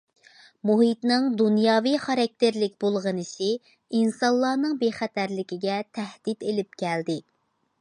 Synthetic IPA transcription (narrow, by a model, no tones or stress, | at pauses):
muɦit̪nɨŋd̪unjɑːwijχɑɾɑk̚ʲt̪ʰeɾlɪkʲbolˠʁənɨsɪ | insɑlˠːɑːnɨŋbeχæt̪ʰæɾlɪkʲiɡʲɛt̪ʰæhd̪̥id̪elɪp̚kʲʰæld̪ɪ